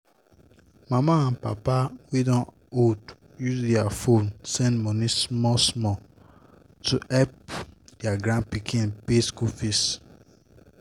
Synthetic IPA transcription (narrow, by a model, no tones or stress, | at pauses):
mamaãnpa̰pawedɔ̃n | od | jusdɛafõnsɛ̃nmɔnismɔsmɔ | tuʔɛp̚dɛaɡɹãn̚pikʰĩnpeskufes